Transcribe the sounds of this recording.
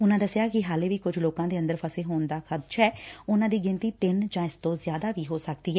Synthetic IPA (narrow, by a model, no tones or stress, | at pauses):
ʊnãːd̪əsɪjaːkɪɦaːleːʋiːkʊd͡ʒloːkãːd̪eːə̃nd̪əɾpʰəseːɦoːnd̪aːkʰəd̪t͡ʃʰɛːʊnãːd̪iːɡɪ̃nt̪iːt̪ɪnd͡ʒãːɪst̪õːzjaːd̪aːʋiːɦoːsək̚d̪iːɦɛː